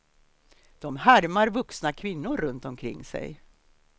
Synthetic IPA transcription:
d̪̥ɔmhæɾmaɾvɵksnakʰvɪnːʊɾːɵnt̪ɔmkʰɾɪ̰ŋːsɛ̰j

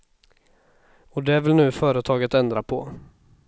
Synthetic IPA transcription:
ɔd̪ɛvɪlnʉ̟ːfœːɾət̪ʰɑːɡət̪ɛnd̪ɾapʰɔ

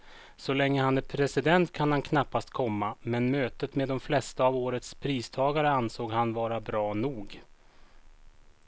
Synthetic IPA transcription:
sɔlɛŋːəhanæɾpʰɾɛsɪd̪ɛnt̪kʰanhankʰnapːast̪kʰɔmːamɛnmøːt̪ət̪meːd̪ːɔmflɛst̪aːvoːɾət̪spʰɾiːst̪ʰɑːɡaɾəansoːɡhanvɑːɾabɾɑːnuːɡ

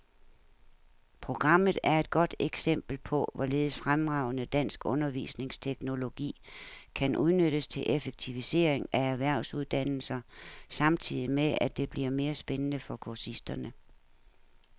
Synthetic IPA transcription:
pʰʁo̝ɡ̥ʁɑ̈m̰ð̩ˠæɐe̝d̥̚ɡ̥ɒ̽d̥eɡ̥sem̰b̥l̩pʰɒ̽ʋɒle̝ːð̞̩ˠsfʁamʁɑ̈ʊnəd̥æn̰sɡ̥ɔ̽nɐʋḭːsne̝ŋst͡sʰeɡ̥no̝lo̝ɡ̥ḭːkʰænʔuð̞ˠnøɾ̥əst͡sʰe̝lʔefeɡ̥̚t͡sʰiʋise̝̰ːɐ̰eŋææɐʋæɐ̰ʊsuð̞ˠd̥æn̰l̩sɐsɑ̈mt͡sʰið̞̰ˠimeæd̥e̝b̥liɐme̝ːɐsb̥enənəfɒ̽kʰuɐsisd̥ɐnə

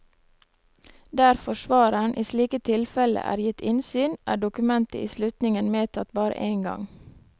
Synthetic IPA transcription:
d̪æɾfɔʃʋɑːɾəɳʔiːsliːkət̪ʰɪlfɛlə̰ʔæ̰ːɾjɪt̪ɪnsyːnʔæ̰ːɖʊkʉmɛnt̪əʔiːslʉt̪nɪŋənmeːt̪ʰɑt̪bɑːɾə̰ʔeːŋɡɑ̰ŋ

